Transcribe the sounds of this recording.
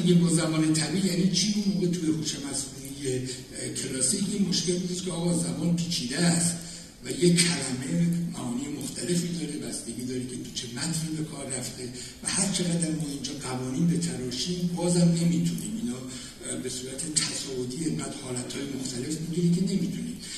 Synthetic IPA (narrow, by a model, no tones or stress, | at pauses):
iɡebɒːzæmɒːnet̪ʰæbiːʔjæniːt͡ʃʰiːunmoːɣe̞t̪ʰujeput͡ʃʰemæsunije | kʰe̞lɒːsijimo̞ʃke̞lbud̪iːd̪kʲʰeɒːɣɒːzæmɒːnpʰiːt͡ʃʰiːd̪eæst̪ | væjekʰælæme̞mæhɒːniːjemoxt̪ʰæle̞fid̪ɒːɾebæsd̪e̞ɡiːd̪ɒːɾikʲʰe̞t̪ʰu̥t͡ʃʰe̞mæt̪ʰniːbe̞kʰɒːɾːæft̪e̞ | væhæɾt͡ʃʰeʁæd̪æɾmɒzind͡ʒɒːɡævɒːniːnbe̞t̪ʰæɾɒːʃimbɒːzæmne̞mit̪ʰuniːminɒː | be̞suːɾæt̪ʰe̞t̪ʰæsɒːvot̪ʰiːeɡæd̪̥hɒːlæt̪hɒːjemo̞xt̪æle̞fmiɡiɾikʲʰe̞ne̞mit̪ʰuniːm